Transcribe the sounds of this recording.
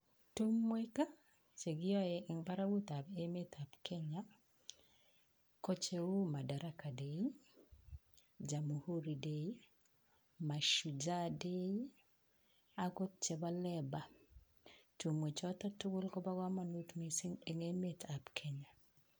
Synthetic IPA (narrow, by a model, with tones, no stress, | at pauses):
tu˦mwe˦ka˦ | t͡ʃe˨ɡɪ˦ɔ˦jɛi˨ŋba˦ɾa˦wu˦t̪a˨be˦me˦t̪a˨pkʰe˦ɲa˦ | kɔ˦t͡ʃe˦u˦ma˨da˨ɾa˦ka˨de˨i˦ŋ | d͡ʒa˨mu˨ho˦ɾi˨dei˦ | ma˨ʃu˨d͡ʒa˦de˦ | a˦ko˦t̚t͡ʃɛ˨ba˦lɛ˦ba˨ | tu˨mwe˨t͡ʃɔta˦tu˦ɡʊ˦lkɔ˦ba˦ɡwa˦ma˨nu˦t̪mesi˦ŋe˨ŋeme˦tʰa˨pkʰe˨ɲa˨